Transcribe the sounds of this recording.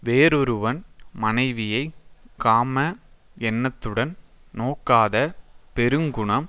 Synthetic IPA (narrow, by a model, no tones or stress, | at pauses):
ʋeːɾɔɾɯʋɐnmɐnɐɪʋɪjɐɪkaːmɐ | ɛnːɐt̪ːɯɽɐnnoːkːaːðɐpɛɾɯŋɡʊɳɐm